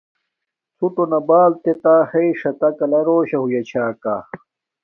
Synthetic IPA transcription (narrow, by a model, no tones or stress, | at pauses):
suʈonɐbaːlt̪et̪ahɐiʂɐt̪ɐkɐlɐɾoːɕɐɦujɐt͡ɕʰaːkaː